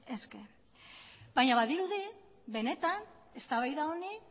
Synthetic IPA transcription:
e̞ske̞ | bajɲaβaðiɾuði | βe̞ne̞t̪an | e̞st̪aβajðaoni

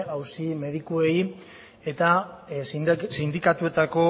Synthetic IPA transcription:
awsime̞ðikue̞j | e̞t̪a | sind̪ikat̪ue̞t̪ako̞

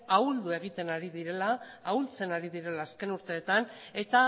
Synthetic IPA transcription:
auld̪ue̞ɣ̞it̪e̞naɾiðiɾe̞laːult͡se̞naɾiðiɾe̞laːske̞nuɾt̪e̞ːt̪ane̞t̪a

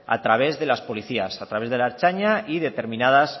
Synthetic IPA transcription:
a̰t̪ɾaβ̞e̞zðe̞laspo̞liθiasat̪ɾaβe̞zðe̞laeɾt͡ʃaɲaʔiðe̞t̪e̞ɾmĩnaðas

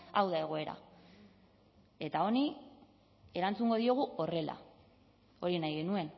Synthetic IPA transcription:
awðae̞ɣ̞o̞e̞ɾa̰ | e̞t̪ao̞ni | e̞ɾant͡suŋɡo̞ðio̞ɣ̞uo̞re̞la̰ | o̞ɾinajɣe̞nue̞n

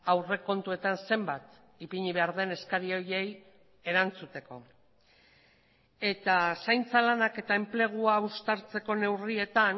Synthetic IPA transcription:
awre̞ko̞nt̪ue̞t̪anse̞mbat̪ | ipiɲiβ̞e̞aɾðe̞ne̞skaɾio̞je̞j | e̞ɾant͡sut̪e̞ko̞ | e̞t̪asajnt͡salanake̞t̪ae̞mple̞ɣ̞uaust̪aɾt͡se̞ko̞ne̞wrie̞t̪an

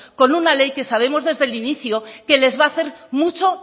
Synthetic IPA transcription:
ko̞nunale̞jke̞saβ̞e̞mo̞zðe̞zðe̞liniθjoke̞le̞zβaːθe̞ɾmut͡ʃo̞

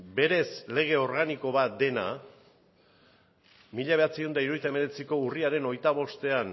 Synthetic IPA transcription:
be̞ɾe̞sle̞ɣ̞e̞o̞ɾɣaniko̞βat̪̚d̪e̞na̰ | miʎaβe̞at͡sio̞nd̪aiɾojt̪ae̞me̞ɾe̞t͡siko̞uriaɾe̞no̞jt̪aβ̞o̞st̪e̞an

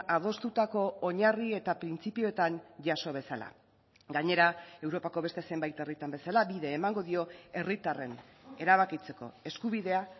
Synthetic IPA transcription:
að̞o̞st̪ut̪ako̞ːɲarie̞t̪apɾint͡sipio̞et̪aɲʝaso̞β̞e̞sala̰ | ɡaɲe̞ɾae̞wɾo̞pako̞βest̪e̞se̞mbajt̪e̞rit̪ambe̞salabiðe̞ːmaŋɡo̞ðio̞e̞rit̪are̞ne̞ɾaβ̞akit͡se̞ko̞̰e̞skuβiðe̞a

